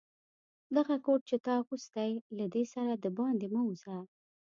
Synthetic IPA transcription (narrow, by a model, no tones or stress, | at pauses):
d̪aɣakoʈ̚t͡ʃet̪ɑxust̪ajlad̪esaɾad̪əbɑnd̪emawza